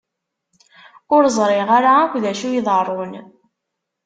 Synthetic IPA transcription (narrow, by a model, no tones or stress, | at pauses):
ʊɾzˤɾˤeʁaɾaːkʷːðæʃujiðˤərˤːon